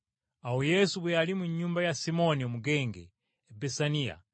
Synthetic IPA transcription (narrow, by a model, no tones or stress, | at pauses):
aujɛsubwɛalimuɲumbajasimoniomuɡɛŋɡɛ̰ | bɛsania̰